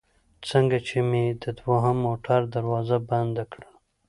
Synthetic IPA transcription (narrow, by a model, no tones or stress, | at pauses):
t͡səŋɡat͡ʃemed̪əd̪waɦəmːoʈʰaɾd̪aɾwɑzaband̪akɽəl